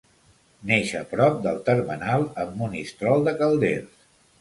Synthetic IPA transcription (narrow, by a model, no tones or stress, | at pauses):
neʃəpɾɔp̚d̪əlˠt̪əɾmənalˠəmːunist̪ɾɔlˠd̪əkəlˠd̪ḛls